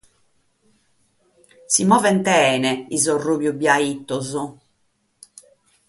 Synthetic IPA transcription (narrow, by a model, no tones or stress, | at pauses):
simɔːvɛnt̪ɛːnɛizorubjubjait̪ːɔzu